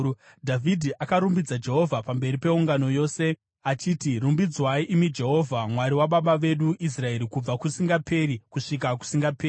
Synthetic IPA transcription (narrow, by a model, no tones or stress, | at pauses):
dʱavʱidʱiʔakaɾumbid͡zad͡ʒe̞ɦo̞vʱapambe̞ɾipe̞uŋɡano̞jo̞ːse̞ | at͡ʃiːtirumbid͡zwaiʔimid͡ʒe̞ɦo̞vʱamwaɾiwaɓaɓaʋe̞ɗuʔis̬rae̞ɾikub͡vakusiŋɡapʰe̞ɾikuʂikaku̥siŋɡapeːi